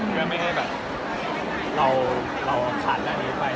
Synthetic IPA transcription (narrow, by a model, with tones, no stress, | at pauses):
ma˥˩jkʰa˥˩jbɛː˨˩p̚ | ɾa˧w | ɾa˧wt͡ɕʰa˦˥t̪̚la˧˩niː˦˥pa˧j